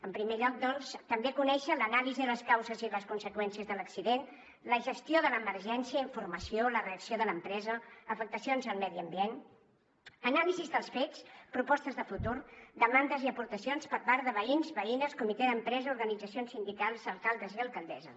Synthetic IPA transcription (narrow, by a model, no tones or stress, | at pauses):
əmpɾimeʎɔk̚d̪ɔnst̪əmbekunɛʃələnaliziðələskawzəziləskunsəkwɛnsiəzðələksiðen | ləʒəst̪joðələməɾʒɛnsiəiɱfurməsioləreəksioðələmpɾɛzəəfək̚t̪əsionzəlˠmɛðiəmbien | ənalizizðəlˠsfet͡spɾupɔst̪əzðəfut̪uɾd̪əmand̪əziəpuɾt̪əsionspəɾpaɾðəβəinzβəinəskumit̪eðəmpɾɛzəuɾɣənid͡zəsionsind̪ikalˠzəlˠkalˠd̪əziəlˠkəlˠd̪ɛzə̰